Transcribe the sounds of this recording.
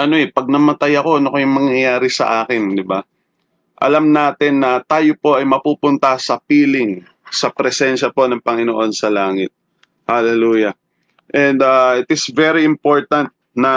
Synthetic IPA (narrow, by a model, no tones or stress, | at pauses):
ʔɐno̞ɛpɐɡ̚nɐmɐt̪ajɐko̞ʔɐnokɐjʊŋmɐŋjɐjaːɾɪsɐ̰ʔaːkɪnd̪ɪba | ʔɐ̰lɐmnaːt̪ɪnːɐt̪aːjopo̞ʔɐjmɐpuːpʊnt̪ɐsɐpiːlɪŋ | sɐpɾɛsɛnʃɐpo̞nɐŋpɐŋɪnoʔo̞nsɐlaːŋɪt̪̚ | hɐlɛluːjɐ | ʔɛnd̪aʔɪt̪ɪsvɛɾiɪmpo̞ɹt̪ɐnt̪̚ | nɐ